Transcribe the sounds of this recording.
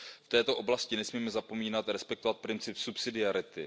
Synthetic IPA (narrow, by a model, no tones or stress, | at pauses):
ft̪ɛːt̪o̞ʔo̞blascɪnɛsmiːmɛzapo̞miːnat̪ɾɛspɛkt̪ovat̪̚pɾɪnt͡sɪpsupsɪdɪaɾɪt̪ɪ